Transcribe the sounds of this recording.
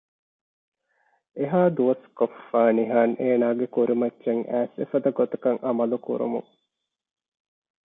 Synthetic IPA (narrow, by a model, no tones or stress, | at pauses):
eɦaːd̪uʋɐskofːaːniɦaːnʔeːnaːɡekuɾʔimɐtːʃeŋæːsḛfɐd̪ɐɡot̪ɐkɐŋʔɐmɐlukṵɾṵmṵŋ